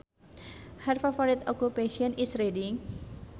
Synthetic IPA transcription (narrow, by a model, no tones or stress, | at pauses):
harfafɔɾit̪ɔkupeʃiɔ̃nisɾediŋ